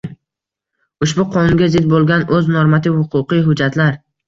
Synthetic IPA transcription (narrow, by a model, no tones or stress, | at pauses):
ʊʃbʊqʰɒnʊnɡʲazɪd̪̚bolˠɡʲanɵznoɾmat̪ʰɪvhʊqʰʊqɨjɦʊd͡ʒat̪ʰlaɾ